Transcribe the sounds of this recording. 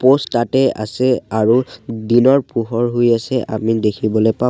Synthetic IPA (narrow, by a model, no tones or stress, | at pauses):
postːatɛa̰sɛaɹudinɔɹpuɦɔɹɦojasɛʔa̰midekʰibɔlojpa